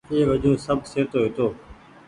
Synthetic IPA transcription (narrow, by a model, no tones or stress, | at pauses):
eːʋəd͡ʒõːsəbʱseːt̪oːɦet̪oː